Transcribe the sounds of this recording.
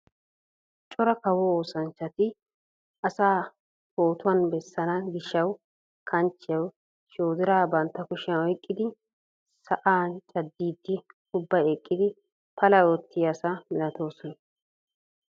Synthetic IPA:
t͡ʃʼɔɾɐkɐwɔoːsɐnt͡ʃːɐt̪ɪ | ʔɐsaː | poːt̪ʊɐnbɛsːɐnɐɡɪʃːɐw | kʰɐnt͡ʃːɪjɐw | ʃoːzɪɾaːbɐnt̪ːɐkʊʃɐɔjkʼːɪd̪ɪ | sɐʔaːnt͡ʃʼɐd̪ːiːd̪ːɪ | ʊbːɐekʼːɪd̪ɪ | pʰɐlɐjɔt̪ːɪjɐsɐmɪlɐt̪o̞ːsɔnɐ

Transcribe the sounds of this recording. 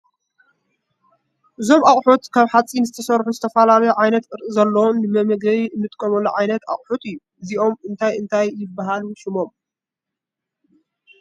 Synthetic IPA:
ʔɨzo̞mʔaχʼħot̪kʰaβħat͡sʼinzɨt̪ʰɐsɐɾħuzɨt̪ʰɐfɐlalɐjuʕajnɐt̪kʼɨɾʔɨzɐlːɐwunːɨmɐmɐɡɐβiɨnːɨt̪ʼɨkʼːɐmɐlːuʕajnɐt̪a̰χʼħut̪ɨjːu | ɨziʔo̞mɨnt̪ʰajɨnt̪ʰajːɪbːaɦaluʃɪmo̞m

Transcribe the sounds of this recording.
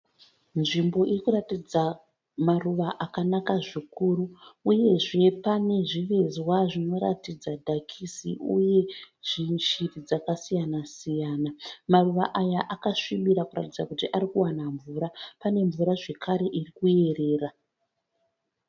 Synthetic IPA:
nʐimbo̞ʔirikuratid͡za | maruʋaʔakanakaʐikuɾuuje̞ʐe̞pane̞ʐiʋe̞zwaʐino̞ɾa̰tid͡zadʱakʰisḭṵje̞ʐ̥iʃirid͡zakasijanasijaːnamaruʋaʔajaʔakaʂimiɾakura̰tid͡zakutiʔaɾikuwanaɱvuɾapane̞ɱvuɾaʐe̞kaɾe̞ʔirikue̞re̞ːra

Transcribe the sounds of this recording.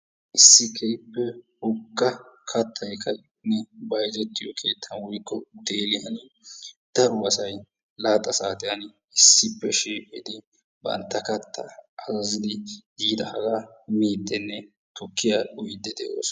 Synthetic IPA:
ʔɪsːɪkʰɛjpːɛhʊɡːɐkʰɐt̪ʰːɐjkʰɐj | nːɛbɐjzɛt̪ːɪjɔkʰe̞ːt̪ʰːɐnwɔjkːɔd̪eːlɪjɐn | d̪̥ɐɾʊɐsɐj | laːt̪ʼːɐsaːt̪ɪjɐn | ɪsːɪpːɛʃiːkʼɪd̪ɪ | bɐ̰nt̪ːɐkɐt̪ʰːɐ̰ʔɐzɐzɪd̪ɪdiːd̪ɐhɐɡamiːd̪ːɛnːɛ | t̪ɔkːɪjaʊjɪd̪ːɛd̪ɛʔo̰ːs

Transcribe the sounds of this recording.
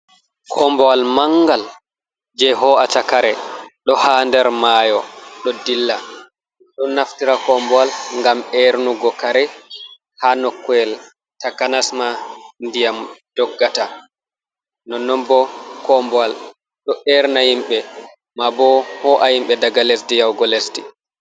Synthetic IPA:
kʰɔmbɔwalmaŋɡal | d͡ʒɛɦɔatakaɾɛɗɔhaːndɛɾmajɔɗɔdilːa | ɗɔnaftiɾakɔmbɔalŋɡamɛɾnuɡɔkaɾɛ | hanɔkːwɛl | takanasmandijamd̥ɔɡːata | nɔnːɔnbɔkɔmbɔal | ɗɔɛɾnahimɓɛ | mabɔhɔʔahimɓɛdaɡales̬dijawɡɔlesdi

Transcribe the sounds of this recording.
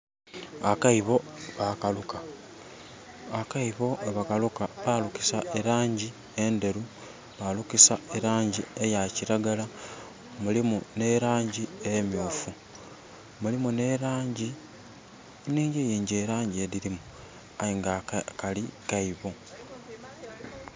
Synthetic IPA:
akaiβo̞βakaluka | akaiβo̞ʔeβakalukaβaluki̥saʔeɾaːɲɟi | e̞nde̞ɾu | βalukisaeɾaːɲɟiejaciɾaɡala | mulimune̞ɾaːɲɟiejemjoːfu | mulimune̞ɾaːɲɟi | niːɲɟejiːɲɟeːɾaːɲɟieɾiɾimu | ajiŋɡakalikaiβo̞

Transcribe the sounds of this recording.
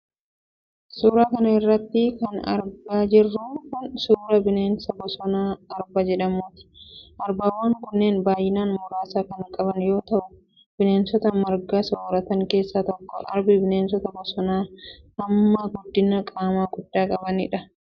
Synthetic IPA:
suːɾaːkɐnɐɪrːɐt̪ːɪkɐnɐ̰ɾbaːd͡ʒɪrːʊkʊnsuːɾɐbɪneːnsɐbɔsɔnaːɐɾbad͡ʒɛᶑɐmoːt̪ɪ̥ʔɐɾbaːwːaːŋkʊnːeːnbaːjɪnaːnmʊɾaːsaːkɐnkʼɐbɐnjo̞ːt̪ɐʔʊ | b̥ɪneːnsɔt̪ɐmɐɾɡaːsɔwɾɐt̪ɐŋke̞ːsːat̪ɔkːɔ̰ʔɐ̰ɾbɪbɪneːnsɔt̪ɐbɔsɔnaː | ɐmːɐɡʊd̪ːɪnɐkʼaːmaːɡʊd̪ːaːkʼɐbɐnɪ̰ᶑɐ

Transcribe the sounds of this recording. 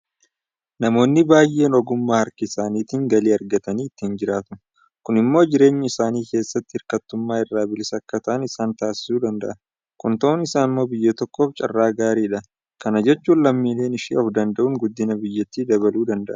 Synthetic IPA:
nɐmo̞ːnːɪbaːjʔe̞ːnɔɡʊmːaːhɐɾkɪːsaːniːt̪iːŋɡɐliːɐɾɡɐt̪ɐniːɪt̪ːɪnd͡ʒɪɾaːt̪ʊ | kʊnɪmːo̞ːd͡ʒɪɾe̞ːɲːɐɪsaːniːke̞ːsːɐt̪ːɪhɪɾkɐt̪ːʊmːaːɪrːaːbɪlɪsɐkːɐt̪ɐʔɐnɪsaːnt̪aːsɪ̥suːd̪ɐnd̪ɐ̰ʔɐ | kʊnt̪ɐʔʊnɪsaːnɪmːo̞ːbɪjːɐt̪ɔkːoːft͡ʃʼɐ̰rːaːɡaːɾiːᶑɐ | kɐnɐd͡ʒɛt͡ʃːuːnlɐmːiːle̞ːnɪʃḭːɔfd̪ɐnd̪ɐʔuŋɡʊd̪ːɪnɐbɪjːɛt̪ːiːd̪ɐβɐluːd̪ɐnd̪ɐʔɐ

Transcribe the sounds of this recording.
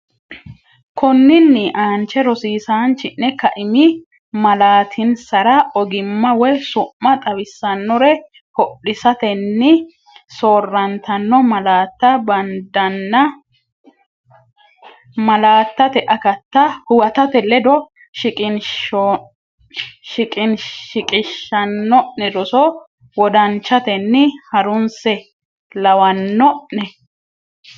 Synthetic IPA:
kɔnːɪnːɪʔaːnt͡ʃːɛɾɔsiːsaːnt͡ʃɪnːɛkɐʔɪmɪ | mɐlaːt̪ʰɪnsɐɾɐʔɔɡɪmːɐwɛsʊmːɐt̪ʼɐβɪsːɐnːɔɾɛ | hɔɗːɪsɐt̪ɛnːɪ | soːrːɐnt̪ɐnːɔmɐlaːt̪ːɐbɐnd̪ɐnːɐ | mɐlaːt̪ːɐt̪ɛʔɐkɐt̪ːɐhʊwɐt̪ɐt̪ɛlɛd̪ɔ | ʃɪkʼɪn | ʃɪkʼɪnɪkʼɪʃːɐnːɔʔnɛd̪ɔsɔ | wɔd̪ɐnt͡ʃːɐt̪ɛnːɪhɐɾʊnsɛ | lɐwɐnːɔʔnɛ

